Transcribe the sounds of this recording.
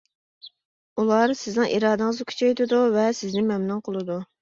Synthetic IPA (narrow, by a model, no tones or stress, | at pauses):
ulˠɑːɾsɪznɨŋʔiɾɑːd̪ɨŋəzkʲʰy̥t͡ʃʰɛjt̪ɪd̪uvɛsɪznɪmɛmnunqʰəlˠɨd̪u